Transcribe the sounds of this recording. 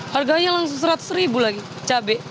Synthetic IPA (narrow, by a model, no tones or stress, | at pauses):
harɡaɲaŋlaŋsʊŋsəɾat̪səɾibulaɡi | t͡ʃabɛʔ